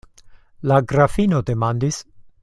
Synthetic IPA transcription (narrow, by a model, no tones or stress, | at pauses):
laɡɾafinod̪emand̪is